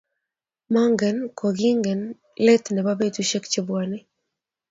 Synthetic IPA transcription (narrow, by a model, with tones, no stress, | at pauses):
ma˦ŋɡɛ˨nkʰo˨ɡi˦ŋɡɛ˨n | lɛ˦t̪nɛ˨ba˦be˦tu˦ʃe˦kt͡ʃe˦bwa˨nɪ˦